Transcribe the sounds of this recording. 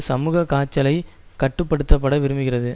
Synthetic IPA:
sɐmuːɣɐkaːt͡ʃːɐlɐɪkɐʈːɯpːɐɽɯt̪ːɐpːɐɽɐʋɪɾɯmbɯɣɪɾɐðɯ

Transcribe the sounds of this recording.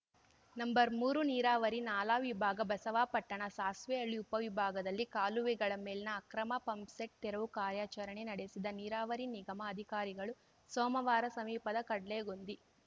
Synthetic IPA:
nɐmbɐɾmuːɾuniːɾaːʋɐɾinaːlaːʋibʱaːɡɐbɐsɐʋaːpɐʈːɐɳɐsaːsʋeɐɭːiupɐʋibʱaːɡɐd̪ɐlːikaːluʋiɡɐɭɐmeːlinɐːkɾɐmɐpɐmpseʈ̚t̪ɛɾɐʋukaːɾjaːt͡ʃɐɾɐɳenɐɽesid̪ɐniːɾaːʋɐɾiniɡɐmɐːd̪ʱikaːɾiɡɐɭu | sɔːmɐʋaːɾɐsɐmiːpɐd̪ɐkɐɽleːɡond̪i

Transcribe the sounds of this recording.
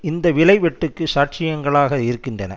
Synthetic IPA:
ɪnd̪ɐʋɪlɐɪʋɛʈːɯkːɯsaːʈ̚t͡ʃɪjɐŋɡɐɭaːɣɐɪɾɯkːɪndrɐnɐ̰

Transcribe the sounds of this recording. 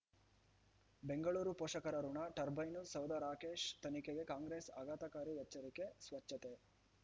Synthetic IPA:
be̞ŋɡɐɭuːɾupoːʂɐkɐɾɐɾuɳaʈɐɾbʱɐjnusɐwd̪ɐɾaːkeːʃt̪ɐnikeɡe̞kaːŋɡɾeːsaɡaːt̪ɐkaːɾijɐt͡ʃːɐɾikesʋɐt͡ʃːɐt̪e

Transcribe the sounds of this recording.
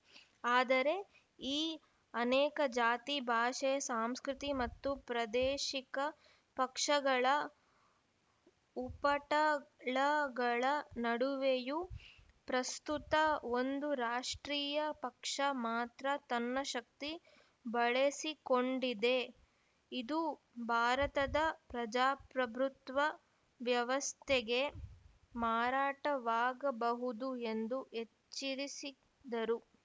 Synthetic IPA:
aːd̪ɐɾe̞ | iː | ɐnɛːkɐd͡ʒaːt̪ibʱaːʃɛjɐsaːmskɾit̪imɐt̪ːupɾɐd̪eːʃikɐ | pɐkʂɐɡɐɭɐ | upɐʈɐɭɐɡɐɭɐnɐɽuʋeju | pɾɐst̪ut̪ɐo̞nd̪uɾaːʂʈɾiːjɐpɐkʂɐmaːt̪ɾɐt̪ɐnːɐʃɐk̚t̪i | bɐɭesiko̞ɳɖid̪e̞ | id̪u | bʱaːɾɐt̪ɐd̪ɐpɾɐd͡ʒaːpɾɐbʱɾut̪ʋɐ | ʋjɐʋɐst̪ʰeɡe̞ | maːɾaːʈɐʋaːɡɐbɐɦud̪ue̞nd̪uet͡ʃːiɾisi | d̪ɐɾu

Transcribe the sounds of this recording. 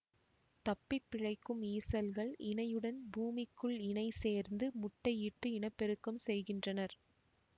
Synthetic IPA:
t̪ɐpːɪpːɪɻɐɪkːɯmiːsɐlɣɐɭɪɳɐjɯɽɐnbuːmɪkːɯɭɪɳɐɪseːɾnd̪ɯmʊʈːɐɪɪʈːɯɪɳɐpːɛɾɯkːɐmsɛjɣɪndrɐnɐɾ

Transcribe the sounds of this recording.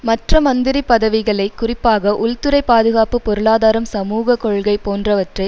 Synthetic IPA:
mɐʈrɐmɐnd̪ɪɾipɐðɐʋɪɣɐɭɐɪkːʊrɪpːaːɣɐʔʊɭt̪ɯɾɐɪpːaːðɯɣaːpɯpɔɾɯɭaːðaːɾɐmsɐmuːɣɐkɔɭɣɐɪpoːndrɐʋɐʈrɐɪ

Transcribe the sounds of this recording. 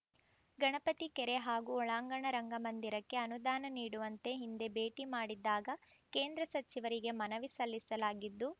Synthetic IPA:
ɡɐɳɐpɐt̪ikɛɾe̞ɦaːɡuɔɭaːŋɡɐɳɐɾɐŋɡɐmɐnd̪iɾɐkːe̞ɐnud̪aːnɐniːɽuʋɐnt̪e̞ɦind̪e̞be̞ːʈimaːɽid̪ːaːɡɐ | ke̞ːnd̪ɾɐsɐt͡ʃiʋɐɾiɡe̞mɐnɐʋisɐlːisɐlaːɡid̪ːu

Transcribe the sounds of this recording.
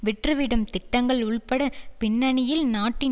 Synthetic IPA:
ʋɪʈrɯʋɪɽɐmt̪ɪʈːɐŋɡɐɭʊɭpɐɽɐpɪɳːɐɳɪjɪlnaːʈːɪ

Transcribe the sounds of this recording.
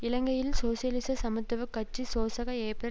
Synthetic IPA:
ɪlɐŋɡɐjɪlsoːsɪjɐlɪsɐsɐmɯt̪ːɐʋɯkːɐt͡ʃːisoːsɐɣɐeːpɐ

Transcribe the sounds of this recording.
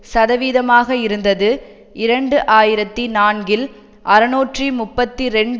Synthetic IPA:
sɐðɐʋiːðɐmaːɣɐɪɾɯnd̪ɐðɯ | ɪɾɐɳɖɯʔaːjɪɾɐt̪ːinaːnɡɪl | ʔɐɾɯnoːʈrimʊpːɐt̪ːiɾɛɳɖ

